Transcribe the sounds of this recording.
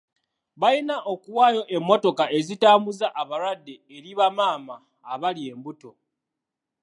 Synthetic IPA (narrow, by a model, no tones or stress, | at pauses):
βajinaʔo̞kuwaːjo̞ʔe̞mːo̞to̞kaʔe̞zitaːmbuzaʔaβaɾwadːeːɾiβamaːmaː | βalie̞ːmbuto̞